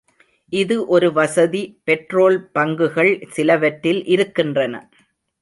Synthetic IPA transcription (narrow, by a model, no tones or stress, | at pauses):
ʔɪðɯʔɔɾɯʋɐsɐðipɛʈroːlpɐŋɡɯɣɐɭsɪlɐʋɐʈːɪlʔɪɾɯkːɪndrɐnɐ̰